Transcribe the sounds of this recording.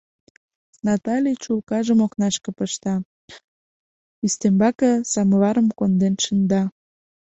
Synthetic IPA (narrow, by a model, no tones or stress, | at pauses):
nɑt̪ɑlʲit͡ʃulkɑʒəmoknɑʃkə̆pə̆ʃt̪ɑ | yst̪embɑkĕsɑmβɑɾəmkond̪enʃənd̪ɑ